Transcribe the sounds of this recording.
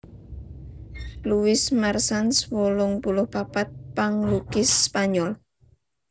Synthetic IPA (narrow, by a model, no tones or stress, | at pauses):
luwɪsmarsanswolʊŋpulʊhpapat̪̚paŋlukɪsːpaɲɔl